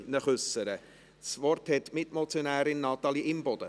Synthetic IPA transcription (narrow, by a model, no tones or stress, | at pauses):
nəχʏsəɾə | svɔrthɛtmɪtmɔt͡sjonæːɾɪnːɑt̪ɑliʔɪmbɔd̥ə